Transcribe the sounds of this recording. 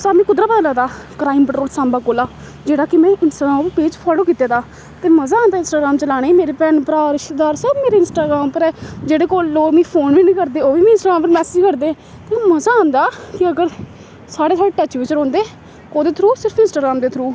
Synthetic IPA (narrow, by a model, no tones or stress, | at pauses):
saːmɛ̃ːkʊd̪ɾaːpət̪ãːləɡd̪aːkɾaːɪmpəʈɾoːlsãːmbaːkoːlaː | d͡ʒeːɽaːkɪmɛ̃ːʔɪnsʈaːɡãːmpeːd͡ʒpʰɔːloːkiːt̪ːaːd̪aː | t̪eːməzaːãːnd̪aːɪnsʈaːɡɾaːmt͡ʃəlaːɽ̃eːimeːɾeːpɛːnpəɾaːɾɪʃt̪ɪd̪aːɾsəbmeːɾeːɪnsʈaːɡɾaːmpəɾd͡ʒeːɽeːkoːlːoːmĩːpʰoːnʋiːnĩːkəɾd̪eːoːbiːm̃ːɪnsʈaːɡɾaːmpəɾmɛːsɪd͡ʒkəɾd̪eː | t̪eːməzaːãːnd̪aːkɪəɡəɾ | saːɽeːsaːɽeːʈɛːt͡ʃʋɪt͡ʃəɾõːnd̪eː | koːd̪eːt̪ʰɾuːsɪɾəpʰɪ̃nsʈaːɡɾãːmd̪eːt̪ʰɾuː